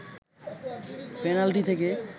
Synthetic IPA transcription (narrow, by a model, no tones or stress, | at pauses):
penalʈit̪ʰeke